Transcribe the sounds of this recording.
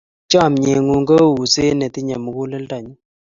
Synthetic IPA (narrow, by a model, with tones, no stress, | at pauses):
t͡ʃɔ˦˨mɲe˨ŋu˨ŋɡə˦˨wu˨se˦nɛ˨t̪i˦ɲɛ˨mu˨ku˦lɛ˦lta˨ɲi˦